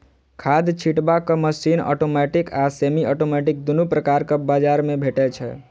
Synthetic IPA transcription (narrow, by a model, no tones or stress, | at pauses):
kʰad̪t͡ʃʰiʈbakəməsinɔ̰ʈomɛʈikasemiɔʈomɛʈik̚d̪unupɾəkaɾkəbad͡ʒaɾmebʱeʈɛt͡ʃʰɛ̰